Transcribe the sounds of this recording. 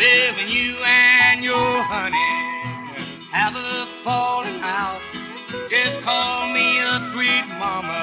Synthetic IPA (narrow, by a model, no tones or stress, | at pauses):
lɪvɪ̃ŋjɨɨ̃njəhʌni | hɨvəəfɔlˠɪ̃ŋaʊt̚ | ɪskʰɔlˠmiətʰɹ̥it̚mɑmə